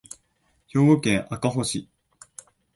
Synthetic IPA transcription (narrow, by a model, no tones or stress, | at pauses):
ço̞ːɡokẽ̞ɰ̃ʔakaɦo̞ɕi